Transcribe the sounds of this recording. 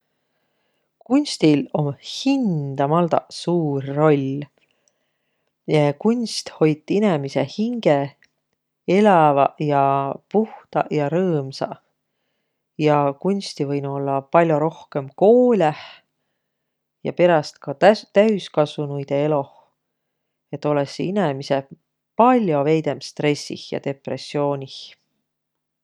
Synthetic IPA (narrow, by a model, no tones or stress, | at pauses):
kunʲst̪ilo̞mhind̪̥ɑmɑld̪̥ɑ̰suːrːo̞lʲ | ekunʲst̪ho̞jt̪ːˑinemise̞hiŋɡ̥e | e̞lɑvɑjɑpuht̪ɑ̰jɑɾɤːmsɑ̰ | jɑkunʲst̪ivɤjnuo̞lːɑpɑlʲjo̞ɾo̞hke̞mko̞ːlʲæh | jɑ̰pe̞ɾɑst̪kɑt̪æyskɑsvunujd̪̥e̞e̞lo̞ | e̞t̪ːˑo̞lesinemise̞ | pɑlʲjo̞ve̞jd̪̥emst̪re̞sːḭhjɑ̰t̪e̞pre̞sːio̞ːnʲih